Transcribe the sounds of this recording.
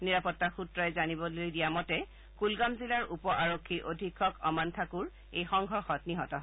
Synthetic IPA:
niɹapɔtːaxutɹɔɛzanibɔlojdijamɔtɛ | kulɡamzilaɹʔupɔʔaɹokʰːiʔodʱikʰːɔkɔmantʰakuɹ | ejxɔŋɡʱɔɹxɔtniɦɔtɔ

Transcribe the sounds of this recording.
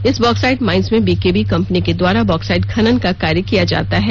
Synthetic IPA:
ɪsbɔːksaːɪʈmãːɪnzmẽbiːkeːbikɐ̃mpəniked̪waːɾabɔːksaːɪʈ̚kʰɐnənkakaːɾjəkijad͡ʒa̰ːt̪aɦɛː

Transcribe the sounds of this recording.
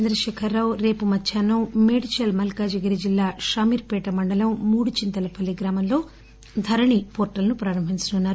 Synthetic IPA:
t͡ʃend̪ɾɐʃɛːkʰɐɾːawɾe̞ːpumɐt͡ʃʰːaːnːɐwmeːɽit͡ʃɐlmɐlkaːd͡ʒɐɡɐɾid͡ʒilːaːʃaːmiːɾpɛːʈɐmɐɳɖɐlɐmmuːɽut͡ʃint̪ɐlɐpɐlːiɡɾaːmɐmlo̞ː | d̪ʱɐɾɐɳipoːɾʈɐlnupɾaːɾɐmbʱit͡ʃɐnunːaːɾ

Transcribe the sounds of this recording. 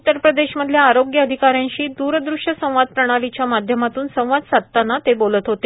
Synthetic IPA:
ut̪ːəɾpɾəd̪eɕməd̪ʱːljaːɾoɡjəəd̪ʱikaɾjãɲɕiːd̪uɾd̪ɾuʂəsə̃w̃ʋad̪̚pɾəɽ̃alit͡ɕjamad̪ʱjəmat̪uːnsə̃w̃ʋad̪sat̪ːanːat̪ebolət̪ɦot̪e

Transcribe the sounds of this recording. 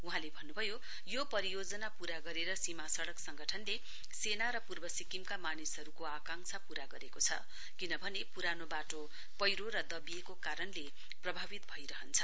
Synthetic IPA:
uɦãlebʱʌnːubʱʌjo | jopʌɾijod͡zʌnapuɾaɡʌɾeɾʌsimasʌɽʌksʌŋɡʌʈʰʌnle | senaɾʌpurbʌsikimkamanisɦʌɾukoakaŋsʰapuɾaɡʌɾekot͡sʰʌ̰ | kinʌbʱʌnepuɾanobaʈo | pʌjɾoɾʌd̪ʌbijekokaɾʌnle | prʌbʱabit̪̚bʱʌjɾʌɦʌnt͡sʰʌ

